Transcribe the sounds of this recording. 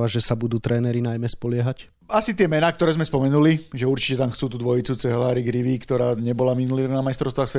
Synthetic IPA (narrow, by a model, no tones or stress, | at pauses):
aʒɛsabud̪uːt̪ɾɛːnɛɾinajmɛspɔlɪɛɦac | asit̪ɪɛmɛnaːk̚t̪ɔɾɛːzmɛspɔmɛnuliʒɛuɾt͡ʃicɛt̪amxt͡suːt̪ud̪ʋɔjit͡sut͡sɛɦlaːɾiɡɾiʋikt̪ɔɾaːɲɛbɔlaminulinamajst̪ɾɔʊst̪ʋaxsʋɛ